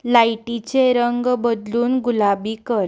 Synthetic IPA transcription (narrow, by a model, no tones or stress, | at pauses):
lajʈit͡ɕeɾəŋɡbəd̪luːnɡulabiːkəɾ